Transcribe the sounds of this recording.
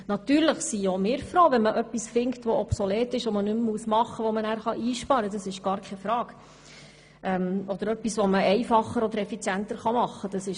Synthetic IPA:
nɑt̪yːɾləχsiomɪːɾfɾoːvɛnməʔœpːisfɪŋktʋɔʔɔpsɔlɛːtɪʃʋɔmənʉmːuəsmɑχːəʋɔmənæːɾχɑʔiːʃpɑɾədɑsɪʃɡ̥ɑːɾkʰɛfɾɑːɡ | ʔɛmɔd̥̪əɾœpːisʋɔməɛɪfɑχːəɾɔd̪əɾɛfit͡sjænt̪əɾχɑmɑχːəd̥ɑsɪʃ

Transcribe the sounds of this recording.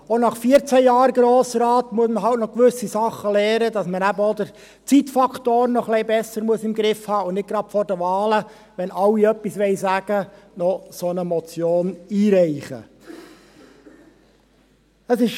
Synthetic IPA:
onɑχfiːəɾt͡sæjɑːɾɡɾoːsəɾɑːt̪muəsməɦɑltnɔkʋʏsisɑχːəlɛːɾəd̪ɑsmənæbəɔd̪əɾ | t͡sitfɑkʰt̪oːɾnɔχlɛɪbɛsəɾmuəsɪmɡɾɪfhɑːʊnnɪt̚ɡ̥ɾɑd̥fɔɾdəʋɑːlə | ʋɛnʔɑwːiœpːisʋɛɪsæɡ̥ə | nɔsɔnəmɔt͡sjoːniːɾɛɪχə̰ | əsɪʃ

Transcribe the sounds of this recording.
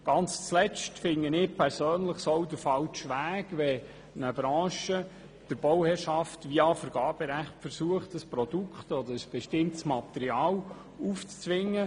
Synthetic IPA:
ɡ̥ɑnt͡st͡slɛt͡ʃtfɪŋənɪpʰɛɾsøːnləχsowdəɾfɑlt͡ʃʋæːɡ̥ʋɛ | nəbɾɑ̃ːʃə | d̥əɾb̥ɔwhɛːɾʃɑftʋiːɑfəɾɡ̥ɑːb̥əɾæχtfəɾsuəχtəspɾod̥ukʰχtɔd̪əɾəsb̥ɛʃtɪmtsmɑtɛɾiɑːl | uːft͡st͡sʋɪŋːə

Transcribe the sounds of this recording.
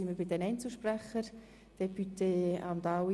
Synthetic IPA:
iməɾbɪd̪ɛnɛɪnt͡səlʃpræχəɾ | d̥ɛpyteɑ̰md̪ɑw

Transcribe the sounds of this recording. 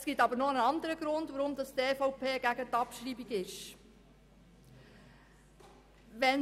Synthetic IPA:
sɡ̥itɑbəɾnɔnɑnd̪əɾəɡ̥ɾʊnd̪ʋɔɾʊmdɑst̪eːfɔʊpʰeːɡ̥æɡət̪ɑpʃɾiːbiɡɪʃ | ʋɛn

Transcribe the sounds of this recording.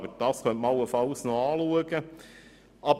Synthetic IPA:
bəɾd̥ɑːsχœntmɑwːəfɑlsnoɑːluəɡə | ʔɑb

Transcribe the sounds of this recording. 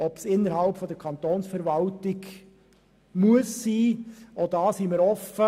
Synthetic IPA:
ɔpsɪnːəɾhɑlpfɔd̪əɾkʰɑnt̪oːnsfəɾvɑltɪɡ | muəsːiːod̪ɑːsiməɾɔfə

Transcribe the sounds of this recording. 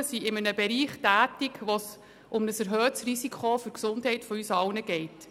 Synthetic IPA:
siɪmənəbɛɾiːχtæːtɪkʋos | ʔʊmnəsɛɾɦœːtsrisikχofʏɾksʊndɦɛɪtfɔyːsɑlnəɡɛɪt

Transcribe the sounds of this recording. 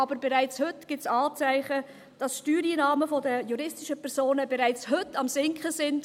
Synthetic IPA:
ɑbəɾbɛʁaɪt͡shɵtɡ̥ɪt͡sɑːt͡sæɪχə | d̥ɑsʃtyːɾiːnɑːməfɔdəjuɾɪstɪʃəpʰɛɾz̥oːnəbɛɾaɪt͡shɵtːɑmsɪŋkχəsɪnd

